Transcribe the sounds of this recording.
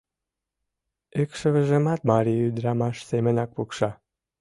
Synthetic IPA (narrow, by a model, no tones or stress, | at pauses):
ekʃə̆βə̆ʒemɑt̪̚mɑɾiyd̪ɾɑmɑʃsemə̆nɑk̚pukʃɑ